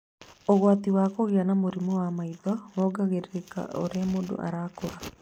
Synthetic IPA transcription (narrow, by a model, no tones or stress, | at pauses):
oɣwat̪iwaːkoɣianamoɾimowamaibamɔːɡaɣeɾeɾeka̰ʔo̰ɾamodo̰ʔa̰ɾaːkoɾa